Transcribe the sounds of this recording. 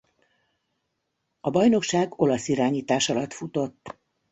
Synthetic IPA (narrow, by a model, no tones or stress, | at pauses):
ɒbɒjno̞kʃaːɡo̞lɒsiɾaːɲiːt̪aːʃɒlɒt̪fut̪o̞t̪ː